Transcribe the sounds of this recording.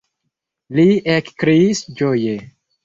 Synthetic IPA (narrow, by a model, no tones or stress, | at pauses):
liekkɾiisd͡ʒoje